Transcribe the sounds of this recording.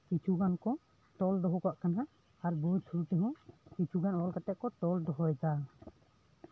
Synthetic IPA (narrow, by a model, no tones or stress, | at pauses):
kit͡ʃʰuɡankɔ | t̪ɔld̪ɔɦɔkaʔkana | aɾbɔd͡ʒtʰuɾut̪ɛɦɔ̃kit͡ʃʰuɡanɔlkat̪ɛʔ̚kɔt̪ɔld̪ɔɦɔɛt̪a